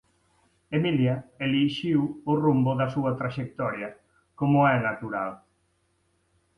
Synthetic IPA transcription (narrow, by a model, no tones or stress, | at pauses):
emiljaeliʃiwʊrumbʊðasuat̪ɾaʃek̚t̪ɔɾja | komʊɛnat̪uɾal